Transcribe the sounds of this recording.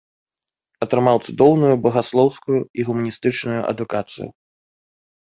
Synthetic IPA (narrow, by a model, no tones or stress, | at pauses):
ɐt̪ɾɨmawt̪sud̪ɔwnujubɐɣaslˠɔwskujuiɣumɐnʲist̪ɨt͡ʂnujuʔɐ̰d̪ukat̪sɨ̰jṵ